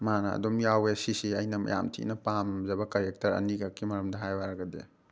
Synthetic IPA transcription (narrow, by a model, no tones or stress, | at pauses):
manɐ̰ɐ̰domjawesisiɐjnɐmɐ̰ja̰mtʰḭnɐpamzɐbɐkɐɾek̚tɐɾɐ̰niɡakʰːimɐɾɐmdɐɦajwaɾɐɡɐdḛ